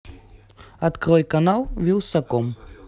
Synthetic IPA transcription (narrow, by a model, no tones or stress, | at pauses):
at̪kɾɔjkanawviwsakɔm